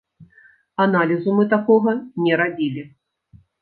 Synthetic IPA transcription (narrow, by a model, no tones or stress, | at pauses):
analʲizumɨt̪akɔɣɐnʲɛɾabʲilʲi